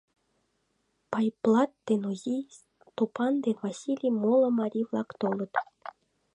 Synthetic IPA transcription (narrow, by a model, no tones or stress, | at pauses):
pɑjplˠɑt̪ːenuzʲi | t̪opɑnd̪envasʲilʲijmolˠə̆maɾʲivlˠɑkt̪olˠɤ̆t̪